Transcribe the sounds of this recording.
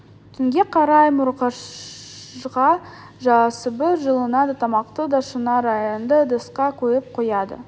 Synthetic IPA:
t̪ʰʏŋɡʲe̞qʰɑɾɑjmʊɾqɑʃ | ʁɑ | ʒɑsəbɪʒəlˠənɑd̪ɑt̪ʰɑmɑqt̪əd̪ɑʃənɑɾɑjond̪əd̪əsqɑkʲʰɵɾɪp̚qʰojɑd̪ə̰

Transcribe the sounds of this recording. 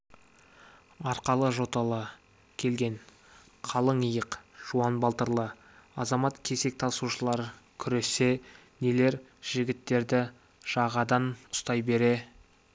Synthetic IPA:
ɑɾqɑlˠəʒo̞t̪ɑlˠɑ | kʲʰe̞lɡʲe̞n | qʰɑlˠəɴəjəqʒ̥uɑnbɑlˠt̪əɾlˠə | ɑzɑmɑt̪kʲʰe̞se̞k̚t̪ʰɑsuʃəlˠɑɾkʲʰʏɾe̞se̞ | nele̞ɾʒ̥ɪɡʲɪt̪ːe̞ɾd̪ɪ | ʒ̥ɑʁɑd̪ɑnʊ̥st̪ɑjbe̞ɾe̞

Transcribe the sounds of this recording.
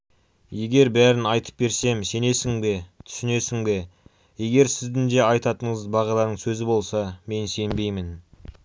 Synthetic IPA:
je̞ɡʲe̞ɾbæɾɪnɑjt̪ʰə̥p̚be̞ɾse̞mse̞ne̞sɪŋbe̞t̪ʰʏ̥sʏne̞sɪŋbe̞ | je̞ɡʲe̞ɾsɪzd̪ɪŋd̪e̞ɑjt̪ɑt̪əɴəzbɑʁɑlˠɑɾd̪əɴsɵzɪbo̞lˠsɑme̞nse̞nbe̞jmɪn

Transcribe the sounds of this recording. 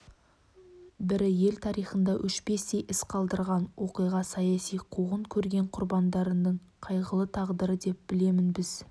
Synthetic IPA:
bɪɾɪje̞lt̪ʰɑɾijχənd̪ɑʔʏʃbe̞sd̪e̞jʔɪsqʰɑlˠd̪əɾʁɑnwo̞qijʁɑsɑjɑsijqʰuʁəɴkʲʰɵɾɡʲe̞ɴqʰʊɾbɑnd̪ɑɾənːəɴ | qʰɑjʁəlˠət̪ʰɑʁd̪əɾəd̪e̞p̚b̥ɪle̞mɪnbɪz̥

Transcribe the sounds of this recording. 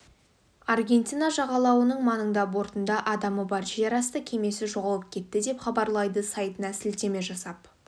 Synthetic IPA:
ɑrɡʲe̞nt̪ʲinɑʒɑʁɑlˠɑwənəɴmɑnəɴd̪ɑbo̞ɾt̪ənd̪ɑʔɑd̪ɑməbɑɾʒijɑɾɑst̪əkʲʰe̞me̞sɪʒo̞ʁɑlˠəp̚kʲʰe̞t̪ːɪd̪e̞pχɑbɑɾlˠɑjd̪əsɑjt̪ənɑsɪlt̪e̞me̞ʒɑsɑp̚

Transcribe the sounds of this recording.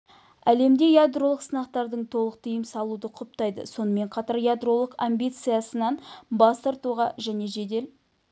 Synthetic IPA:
æle̞md̪e̞jad̪ro̞lˠəqsənɑqt̪ɑɾd̪əɴt̪ʰo̞lˠəq̚t̪ʰijəmsɑlˠud̪əqʰʊp̚t̪ɑjd̪ə̰so̞nəme̞ɴqʰɑt̪ɑɾjad̪ro̞lˠəqambʲijt̪sɨjasənɑnbɑst̪ɑɾt̪uʁɑʒæne̞ʒe̞d̪e̞l

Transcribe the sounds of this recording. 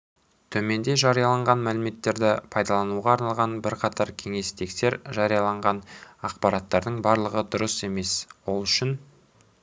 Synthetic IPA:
t̪ʰɵme̞nd̪e̞ʒɑɾijɑlˠɑɴʁɑnmælɪme̞t̪ːe̞ɾd̪ɪpʰɑjd̪ɑlˠɑnuʁɑːɾnɑlˠʁɑnbɪɾqʰɑt̪ʰɑɾkʲʰe̞ŋe̞st̪ʰe̞kse̞ɾʒɑɾijɑlˠɑɴʁɑnɑqpɑɾɑt̪ːɑɾd̪əɴbɑɾlˠəʁəd̪ʊɾəse̞me̞swo̞lˠʏʃɪn

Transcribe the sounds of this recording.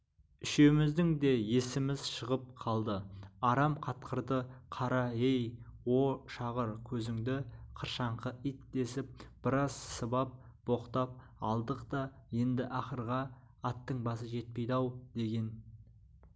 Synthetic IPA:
ʏʃe̞mɪzd̪ɪŋd̪e̞je̞sɪmɪzʃəʁəp̚qʰɑlˠd̪əɑɾɑmqʰɑt̪qəɾd̪əqʰɑɾɑejwo̞ʃɑʁəɾkʲʰɵzɪŋd̪ɪqʰəɾʃɑɴqəʔit̪̚d̪e̞sɪp̚b̥ɪɾɑz̥səbɑp̚ | b̥o̞qt̪ɑp̚ | ɑ̰lˠd̪əqt̪ɑje̞nd̪ɪʔɑχəɾʁɑː | t̪ːəɴbɑs̬əʒe̞t̪̚pe̞jd̪ɑwd̪e̞ɡʲe̞n

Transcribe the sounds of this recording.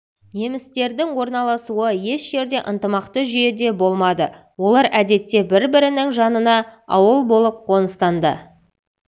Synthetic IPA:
ne̞mɪst̪e̞ɾd̪ɪŋwo̞ɾnɑlˠɑsuəje̞ʃʒe̞ɾd̪e̞ʔənt̪əmɑqt̪əʒʏje̞d̪e̞bo̞lˠmɑd̪ə | wo̞lˠɑɾʔæd̪e̞t̪ːe̞bɪɾbɪɾɪnɪŋʒɑnənɑɑ̰wəlˠbo̞lˠəp̚qʰo̞nəst̪ɑnd̪ə

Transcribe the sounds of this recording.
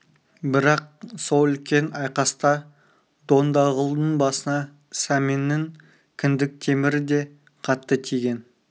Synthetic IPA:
bɪɾɑq̚so̞lˠʏlkʲʰe̞nɑjqɑst̪ɑ | d̪̥o̞nd̪ɑʁəlˠd̪əɴbɑsənɑ | sæmenːɪŋ | kʲʰʏnd̪ɪk̚t̪ʰe̞mɪɾɪd̪e̞ | qʰɑt̪ːət̪ʰijɡʲe̞n

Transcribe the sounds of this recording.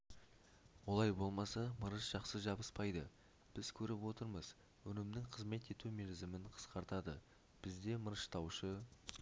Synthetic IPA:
wo̞lˠɑjbo̞lˠmɑsɑməɾəʃʒ̥ɑqsəʒɑbəspɑjd̪ə | b̥ɪz̥kʲʰɵɾɪpwo̞t̪əɾməz̥ | wɵnɪmnɪŋqʰəzme̞t̪e̞t̪umelzɪmɪɴqʰə̥sqɑɾt̪ɑd̪ə | b̥ɪzd̪e̞məɾəʃt̪ʰɑwʃə

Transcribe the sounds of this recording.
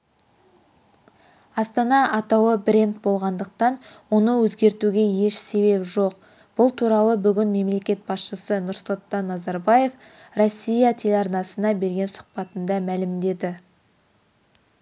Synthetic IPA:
ɑst̪ɑnɑʔɑt̪ɑwəbɾʲe̞nt̪̚bo̞lˠʁɑnd̪əq̚t̪ɑn | wo̞nəwɵzɡʲe̞ɾt̪uɡʲe̞je̞ʃse̞βe̞pʒo̞q̚ | b̥ʊlˠt̪ʰuɾɑlˠəbʏɡʲɪnme̞mle̞kʲe̞t̪̚bɑsʃəsənʊɾsəlˠt̪ːɑnːɑzɑɾbɑje̞f | ro̞sʲːijɑt̪ʰelʲɑɾnɑsənɑbe̞ɾɡʲe̞nsʊ̥qpɑt̪ənd̪ɑmælɪmd̪e̞d̪ɪ

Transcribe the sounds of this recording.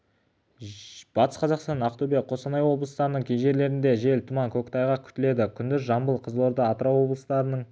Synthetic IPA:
b̥ɑt̪ə̥sqʰɑzɑqst̪ɑnɑqt̪ube̞k̚qʰo̞sɑnɑjwo̞blˠəst̪ɑɾənəɴkʲʰejʒe̞ɾle̞ɾɪnd̪e̞ʒe̞lt̪ʰumɑŋkʲʰokt̪ɑjʁɑkʲʰʏ̥t̪ɪle̞d̪ɪkʲʰʏnd̪ɪzʒɑmbəlˠqʰəzəlˠoɾd̪ɑɑt̪əɾɑwo̞blˠəsd̪ɑɾənəɴ

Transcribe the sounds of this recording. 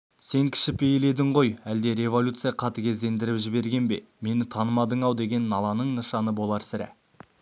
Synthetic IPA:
se̞ŋkʲʰɪ̥ʃɪpejle̞d̪ɪɴʁo̞jæld̪e̞ɾʲe̞vo̞lʲut̪sɨjaqʰɑt̪əkʲʰe̞zd̪e̞nd̪ɪɾɪpʒɪβbe̞ɾɡʲe̞nbe̞̰ | me̞nɪt̪ʰɑnəmɑd̪əɴɑwd̪e̞ɡʲe̞nːɑlˠɑnəɴnəʃɑnəbo̞lˠɑɾsɪɾæ̰

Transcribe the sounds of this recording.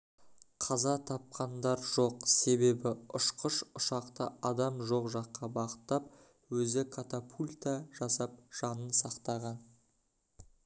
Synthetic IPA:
qʰɑzɑt̪ʰɑp̚qʰɑnd̪ɑɾʒo̞qse̞be̞bɪʊʃqəʃʊʃɑqt̪ə̰ɑd̪ɑmʒo̞qʒɑqːɑbɑqət̪ːɑp̚ | wɵzɪkʰat̪apʰulʲt̪aʒ̥ɑsɑp̚ʒ̥ɑnənsɑqt̪ɑʁɑn

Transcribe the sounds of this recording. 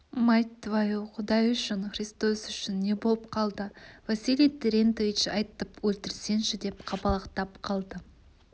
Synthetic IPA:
majt̪ːvajuwqʰʊd̪ɑjʏʃɪɴχrist̪osʏʃɪnːe̞bo̞lˠəpqʰɑlˠd̪əvasilʲijt̪ʰeɾʲent̪ovit͡ʃɑjt̪əpwɵlt̪ɪɾse̞nʃɪd̪e̞pqʰɑpɑlˠɑqt̪ɑp̚qʰɑlˠd̪ə

